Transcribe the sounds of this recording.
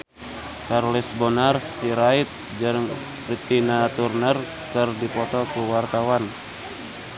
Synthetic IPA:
karlisbɔnarsiɾait̪̚ | d͡ʒəɾŋ | prit̪inat̪urnər | kɨrdipɔt̪ɔkuwart̪awan

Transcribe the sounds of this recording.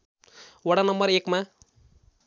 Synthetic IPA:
wʌɽanʌmbʌɾekma

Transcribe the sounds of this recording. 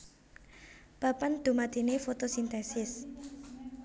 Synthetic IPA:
b̥apand̪̥ṳmat̪inefot̪osint̪ɛsɪs

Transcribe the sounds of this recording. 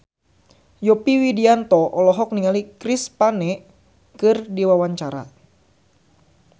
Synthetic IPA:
jɔpiwidiant̪ɔʔɔlɔɦɔk̚niŋalikɾispanɛ | kɨrdiwawaɲt͡ʃaɾa̰

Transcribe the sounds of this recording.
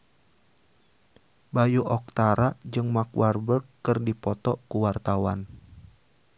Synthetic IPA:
bajuʔɔk̚t̪aɾaʔd͡ʒɨŋmakwʔarbərkkːɨrdipɔt̪ɔkuwart̪awan

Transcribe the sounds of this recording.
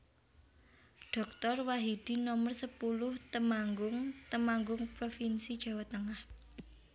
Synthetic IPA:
ɖ̥ɔ̤k̚t̪ɔrwaɦid̪̥i̤nɔmərsəpulʊht̪əmaŋɡʊŋt̪əmaŋɡʊŋpɾofinsid̥ʒ̥a̤wat̪əŋah

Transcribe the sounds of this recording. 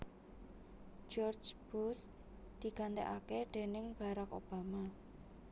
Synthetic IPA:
d͡ʒɔrd͡ʒb̥us | d̪̥i̤kant̪ɛ̰ʔakeɖ̪̥e̤nɪŋb̥a̤ɾako̰b̥ama

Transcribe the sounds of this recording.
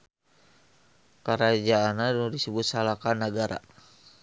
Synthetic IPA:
kəɾad͡ʒaːnaduŋdisəbʊt̪̚salakanaɡaɾa̰

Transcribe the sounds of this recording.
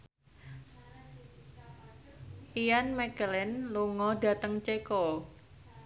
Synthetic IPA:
ʔijanmɛkəlɪnluŋɔɖa̤t̪əŋt͡ʃekɔ

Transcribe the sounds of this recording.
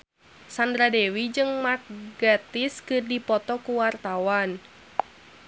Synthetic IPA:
sandɾadewid͡ʒɨŋmak̚ɡat̪ɪskɨrdipɔt̪ɔkuwart̪awan

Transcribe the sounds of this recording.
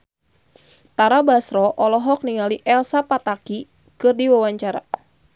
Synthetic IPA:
t̪aɾabasɾɔʔɔlɔɦɔk̚niŋaliʔɛlsapat̪aki | kɨrdiwawaɲt͡ʃaɾa̰

